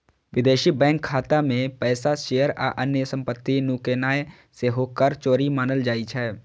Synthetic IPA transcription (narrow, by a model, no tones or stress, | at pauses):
ʋɪd̪eːʃibɛ̃ːŋkʰːaːt̪amẽpɛːsaʃeːjəɾa̰ʔənjəsə̃mpət̪ːinukeːnaːe | seɦoːkəɾt͡ʃoːɾimaːnəld͡ʒaːit͡ʃʰɛː